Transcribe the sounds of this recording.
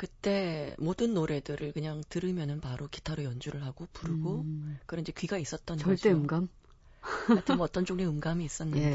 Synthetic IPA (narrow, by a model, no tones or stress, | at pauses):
kɯt͈e̞modɯnːoɾe̞dɯɾɯɭkɯɲaŋtɯɾɯmjʌnɯnpaɾoki̥tʰaɾojʌnd͡ʑuɾɯɭɦaɡ̥opuɾɯɡokɯɾʌnd͡ʑekɥiɡais͈ʌt̚t͈ʌnʌɭd͡ʑieɯmɡam | atʰɯmʌt͈ʌnt͡ɕ͈oŋneɯmɡamiːs͈ʌnːɯe